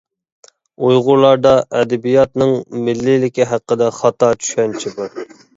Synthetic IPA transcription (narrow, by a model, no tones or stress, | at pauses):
ujʁʊɾlˠɑɾd̪ɑʔɛd̪ɛbijɑt̪nɨŋmɪlːɪlɪkʲiɦæqːəd̪ɛχɑt̪ɑt͡ʃʰy̥ʃɛnt͡ʃʰɪbuɾ